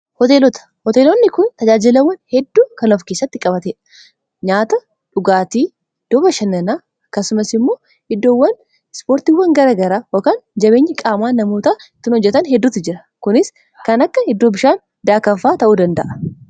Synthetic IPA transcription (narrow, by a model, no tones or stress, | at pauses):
hɔt̪eːlɔt̪ɐ̥hɔt̪eːlɔnːɪkʊnt̪ɐd͡ʒaːd͡ʒɪlɐwːɐnhɛd̪ːuːkɐnɔfke̞ːsːɐt̪ːɪkʼɐbɐt̪eːᶑɐ̥ | ɲaːt̪ɐ | ᶑʊɡaːt̪iː | d̪̥ɔːbɐʃɐnːɐnaː | ɐkːɐsʊmɐsɪmːo̞ː | hɪd̪ːoːwːɐn | spoːɾt̪iːwːɐŋɡɐɾaːɡɐɾaːwɔkaːnd͡ʒɐbe̞ːɲːɪkʼaːmaːnɐmo̞ːt̪aɪt̪ːɪnhɔd͡ʒːɛt̪ɐnhɛd̪ːuːt̪ːɪd͡ʒɪɾɐkʊnɪs | kɐnɐkːɐhɛd̪ːoːbɪʃaːn | d̪aːkɐɱfaːt̪ɐʔuːd̪ɐnd̪ɐʔɐ̥